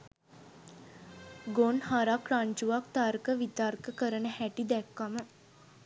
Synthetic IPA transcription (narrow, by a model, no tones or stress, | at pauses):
ɡonhaɾakraɲt͡ʃuʋak̚t̪aɾkəʋit̪aɾkəkəɾənəhæʈid̪ɛkːamə